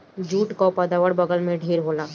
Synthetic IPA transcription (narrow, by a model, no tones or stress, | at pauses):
d͡ʒuːʈkopəd̪aːʋəɽbəɡəlmẽɖʱeːɾɦoːlaː